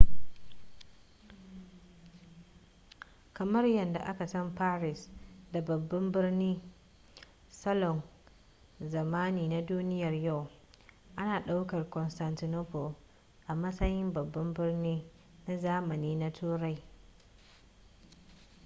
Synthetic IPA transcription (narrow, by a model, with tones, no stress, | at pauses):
kɐ˨mɐ˦rjɐ˨nda̰˨ʔa˦ka˨sɐ˦mpaː˦ɾɪ˨sda˨bɐ˨bːɐ˦mbɪ˦rniː˦ | sɐ˦lɔ˨ŋ | zɐ˨maː˦niː˨na˦duː˦nɪ˦jɐ˨rja˦˨w | ʔa˦naː˨ɗa˦wkɐ˨rkɔ˨nsta˨ntɪ˨noː˦po˨ | ʔa˨mɐ˦sɐ˦jɪ˦mbɐ˨bːɐ˦mbɪ˦rniː˦ | na˦zaː˦mɐ˨niː˦na˦tʰuː˦ɾa˦j